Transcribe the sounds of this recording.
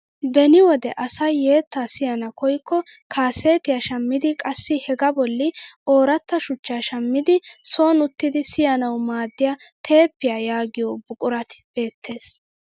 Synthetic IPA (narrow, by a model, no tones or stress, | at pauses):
bɛnɪwɔd̪ɛʔɐsɐjːe̞ːt̪ːaːsɪjɐnɐkɔjkːɔkʰaːseːt̪ɪjɐʃɐmːɪd̪ɪkʼɐsːɪhɛɡɐbɔlːɪo̞ːɾɐt̪ːɐʃʊt͡ʃːaːʃɐmːɪd̪ɪso̞ːnʊt̪ːɪd̪ɪsɪjɐnɐwmaːd̪ːɪjat̪ʰe̞ːpːɪjajaːɡɪjobʊkʼʊɾɐt̪ɪ̥b̥e̞ːt̪ʰːe̞ːs